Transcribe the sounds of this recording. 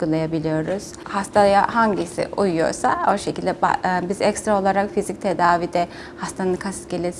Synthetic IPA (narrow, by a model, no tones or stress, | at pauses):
ɡulˠajabilʲijo̞ɾuz̥hast̪ʰajahaɲɟisḭʔujujo̞̰ɾsao̞ʃecʰilʲd̪ɛba̰bizɛcst̪ɾao̞lˠaɾakfizic̚t̪ʰed̪aːviːd̪ɛ | hast̪ʰanɯnkʰast̪ɟʲelʲes